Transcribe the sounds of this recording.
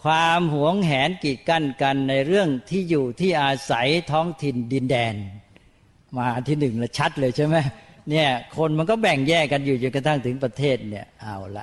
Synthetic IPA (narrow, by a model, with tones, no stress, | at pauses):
kʰwaː˧mhu˩˦əŋɦɛː˩˦nki˨˩ka˥˩nka˧nːa˧jɾɯ˥˩əŋt̪ʰiː˥˩juː˨˩t̪ʰiː˥˩ʔaː˧sa˩˦jt̪ʰɔː˦˥ŋt̪ʰi˧ndi˧ndɛː˧n | maː˧ʔt̪ʰiː˥˩nɯ˨˩ŋlɛ˧˩t͡ɕʰa˦˥t̪̚lɤː˧jt͡ɕʰa˥˩jma˦˥ni˥˩əkʰo˧nma˧nkɔː˥˩bɛ˨˩ŋjɛː˥˩ka˧njuː˨˩t͡ɕo˧nka˧t̪ʰa˥˩ŋt̪ʰɯ˩˦ŋpɾa˧t̪ʰeː˥˩t̪̚ni˥˩əʔa˧˩wla̰˧˦ʔ